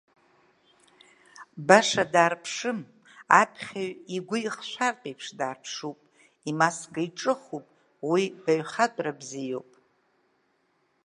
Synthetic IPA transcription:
baʂadaːrpʰʂɨm | apʰχʲaɥiɡʷʊiχʃʷartʼejpʰʂdaːrpʰʂupʼ | imasɡaiʈ͡ʂʼɨχupʼ | wibaɥχatʷʼrabzijo̞̰wpʼ

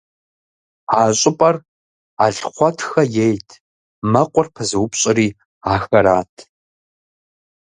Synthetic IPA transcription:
aːɕʼɪpʼɐr | a̰ːɬχʷɔtʰxɐjejtʰ | mɐqʷʊrpʰɨzɨwʊpɕʼɪriː | aːxɐɾaːtʰ

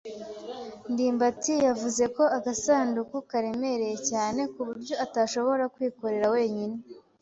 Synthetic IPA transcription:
ndiːmbatijavuze̞ko̞aɡasaːndukukaɾe̞me̞ɾe̞jecaːne̞kuβuɾɟjo̞ataːʃo̞βo̞ɾakwiːko̞ɾe̞ɾawe̞ːɲine

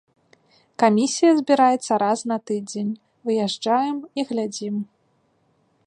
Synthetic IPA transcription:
kamʲisʲijɐzʲbʲiɾajɛt̪sːɐɾasnɐt̪ɨd͡zʲenʲ | vɨjɛʐd͡ʐajɛmiɣlʲad͡zʲim

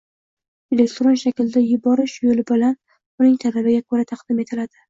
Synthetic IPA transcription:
elekt̪ɾo̞nʃakʲɪld̪ajʊbɒɾɪʃjolɪbɪlan | ʊnɪŋt̪ʰalabɪɡʲakʰɵɾat̪ʰɑqd̪̥ɪme̞t̪ʰɪlad̪̥ɪ

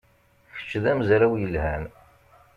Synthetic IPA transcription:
çə̥t͡ʃːðæmzɾæwjəlhæn

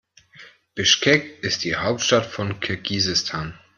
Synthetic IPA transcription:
b̥ɪʃkʰɛkʔɪst̚d̥iːhaʊp̚tʃtatfɔnkʰɪɐɡiːzɪstʰaːn

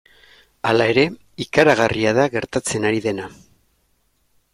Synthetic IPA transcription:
alae̞ɾe̞ | ikaɾaɣ̞ariaðaɣe̞ɾt̪at͡se̞naɾiðe̞na

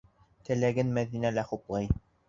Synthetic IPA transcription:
t̪ɘ̆læɡɘnmæðinælæχuplˠɑj

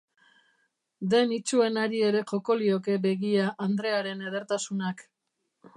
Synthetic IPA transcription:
d̪e̞nit͡ʃue̞naɾie̞ɾe̞ʝo̞ko̞lio̞ke̞be̞ɣiaʔand̪ɾe̞aɾe̞neð̞e̞ɾt̪asunak

